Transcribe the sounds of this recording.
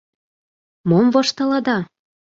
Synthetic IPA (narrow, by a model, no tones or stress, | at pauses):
momvɤʃt̪ɤ̆lɑd̪ɑ